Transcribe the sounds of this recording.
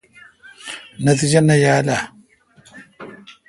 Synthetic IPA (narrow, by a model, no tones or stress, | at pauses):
natid͡ʒanajala